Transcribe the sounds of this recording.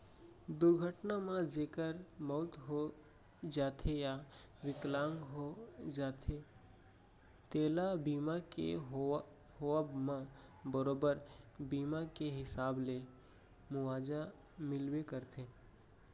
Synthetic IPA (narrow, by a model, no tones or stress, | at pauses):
d̪ʊɾɡʱəʈnamãd͡ʒeːkəɾmɔːt̪ɦo | d͡ʒaːt̪ʰeja | ʋɪklãːŋɡɦod͡ʒaːt̪ʰe | t̪eːlabiːmakḛɦ | ɦoəbmãbəɾoːbəɾbiːmakeɦɪsaːble | mʊʋaːd͡ʒa | mɪlwekəɾt̪ʰeː